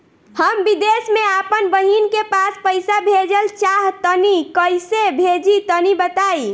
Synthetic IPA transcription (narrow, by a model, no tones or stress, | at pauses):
həmbid̪esmeapənbəɦinkepaspəjsabʱed͡ʒəlt͡ʃaɦt̪ənikəjsebʱed͡ʒit̪ənibət̪ai